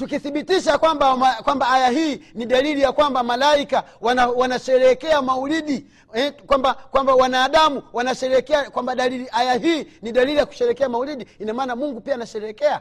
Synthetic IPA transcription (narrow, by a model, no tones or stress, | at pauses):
tukiθiɓitiʃakwambamakwambaajaɦiːniɗalilijakwambamalaika | wanawanaʃɛɾɛkɛamauliɗi | ɛkwambakwambawanaːɗamuwanaʃɛɾɛkɛakwambaɗaliliʔajaɦiːniɗalilijaku̥ʃɛɾɛkɛamauliɗiinamaːnamuŋɡupianaʃɛɾɛkɛa